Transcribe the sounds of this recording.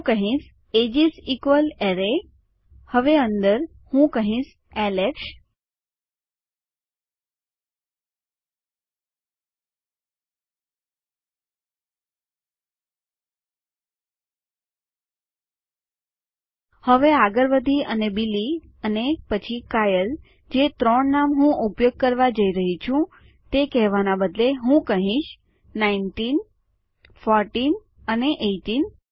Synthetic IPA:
ɦkəɦĩs | ed͡ʒisikʋəleɾe | həʋeənd̪əɾ | hũkəɦĩʃ | ɛlekʃ | həʋeaɡəɾʋəd̪ʱiənebili | ənepət͡ʃʰikajəl | d͡ʒet̪ɾəɳːamɦũʔupjoɡ̚kəɾʋad͡ʒəiɾəɦit͡ʃʰũ | t̪ekɛɦʋanabəd̪leɦũkəɦĩʃ | nainʈin | fɔɾʈin | əneʔeʈin

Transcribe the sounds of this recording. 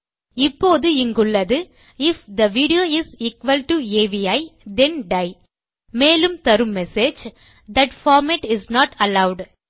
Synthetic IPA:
ɪpːoːðɯɪŋɡʊɭːɐðɯ | ɪfd̪ɐʋiːɖɪoːɪziːkʋɐlʈueːʋijɐɪd̪ɛnɖɐɪ | meːlɯmt̪ɐɾɯmːɛsed͡ʒ | d̪ɐʈfɔːɾmeʈɪznɔːʈɐlɐʊɖ

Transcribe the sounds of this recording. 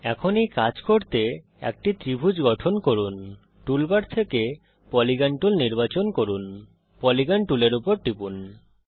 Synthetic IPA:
ɛkʰonikad͡ʑkoɾt̪e | ɛ̰k̚ʈit̪ɾibʱud͡ʑɡɔʈʰonkoɾun | ʈulbaɖt̪ʰeke | pɔliɡaɳʈulniɾbat͡ɕonkoɾun | pɔliɡaɳʈuleɾupoɾʈipun

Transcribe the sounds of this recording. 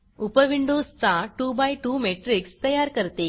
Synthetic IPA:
upəʋiɳɖost͡saʈubajʈumeʈɾikst̪əjaɾkəɾt̪e

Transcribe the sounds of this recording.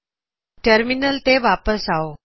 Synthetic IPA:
ʈəɾminəlt̪eʋapəsao

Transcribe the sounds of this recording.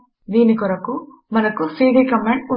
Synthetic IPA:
d̪iːnikɔɾɐku | mɐnɐkusiːɖiːkɐmeɳʈu

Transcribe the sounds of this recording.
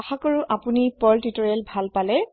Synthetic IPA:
axakoɹuʔapunipɔltitɔɹɛlbʱalpalɛ

